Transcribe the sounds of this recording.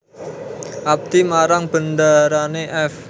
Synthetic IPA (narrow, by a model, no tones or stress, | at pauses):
ʔap̚d̪̥imaɾaŋb̥əndaɾaneʔɛf